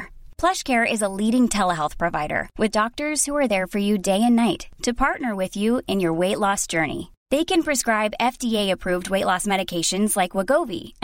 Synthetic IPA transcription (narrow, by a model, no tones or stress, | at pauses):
pʰl̥ʌʃkʰɛɹɪzəliɾɪ̃ŋtʰɛlˠəɦɛlˠθpʰɹ̥ɨvaɪɾə̰˞wʔɨðdɔk̚tə˞z̥huə˞ðə˞fə˞jɨdeɪɨ̃nːaɪtʰːɨpʰɑɹtⁿnə˞wɪðjuɨ̃njə˞weɪtˡlɔsd̥ʒ̥ɜ˞nḭ | ðeɪkɨ̃npʰɹ̥ɨskɹaɪbɛfd̥ieɪɨpʰɹ̥ʉvd̚weɪʔˡlɔsmɛɾɨkʰeɪʃɨ̃nzlaɪkwəɡoʊvḭ